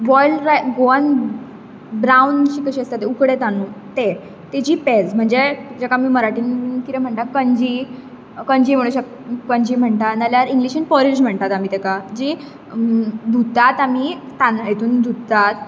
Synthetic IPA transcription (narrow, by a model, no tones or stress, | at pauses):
ʋɔjlɾajɡoan | bɾaunt͡ɕiːkəɕiːəst̪at̪eukɽet̪anuːt̪e | t̪ed͡ʑiːped͡zm̤əɳd͡zed͡ʑɛkamiːməɾaʈiːnkit̪ɛm̤əɳʈakəɲd͡ʑi | kəɲd͡ʑiːm̤əɽ̃uɕək | kəɲd͡ʑiːm̤əɳt̪analjaɾiŋɡliɕinpɔɾid͡ʑm̤əɳt̪at̪am̤it̪ɛkad͡ʑi | d̪ʱut̪at̪am̤i | t̪anjet̪ʰuːnd̪ʱut̪ːat̪